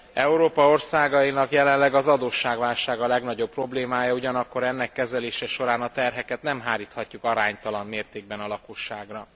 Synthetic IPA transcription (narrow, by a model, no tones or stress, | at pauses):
ɛuɾoːpɒo̞rsaːɡɒjinɒkjɛlɛnlɛɡɒzɒd̪oːʃːaːɡvaːlʃaːɡɒlɛɡn̪ɒɟo̞p̚ːro̞bleːmaːjɒuɟɒnɒkːo̞ɾɛnːɛkːɛzɛleːʃɛʃo̞ɾaːnɒt̪ɛrɦɛkɛt̪nɛmɦaːɾiːt̪hɒcːukɒɾaːɲt̪ɒlɒnmeːrt̪eːɡ̚bɛnɒlɒkoʃːaːɡrɒ